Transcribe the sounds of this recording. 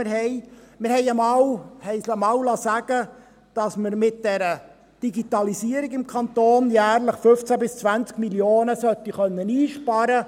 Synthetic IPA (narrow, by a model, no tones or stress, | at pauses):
ɪɾɦɛɪmɪɾhɛɪəmɑwhɛɪsmɑwlɑsæɡ̥ə | d̥ɑsməɾmɪt̚d̥ɛɾə | d̥iɡit̪ɑlisiəɾiɡɪmkʰɑnt̪oːnjæːɾləχfɵft͡sæbɪst͡sʋænt͡skmiljoːnəsœt̪ːiχœnːəniːʃpɑɾə